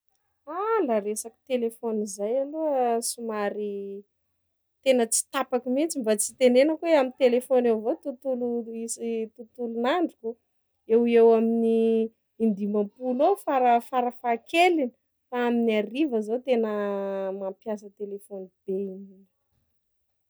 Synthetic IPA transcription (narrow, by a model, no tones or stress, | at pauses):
alaɾesaki̥t̪elefonizajaluəsumaɾi | t̪enət͡si̥t̪apakimint͡simbat͡si̥t̪enenəkueamint̪elefonewvot̪ut̪uluisit̪ut̪ulunaɳɖ͡ʐuku | ewewaminiː | nd̪imampulofaɾəfaɾəfakelini | faaminiarivəzat̪enəmampjasət̪elefonib̥eininu̥